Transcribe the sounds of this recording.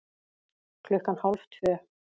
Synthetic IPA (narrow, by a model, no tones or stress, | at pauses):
kʰlʏhkanhalft̪ʰvœː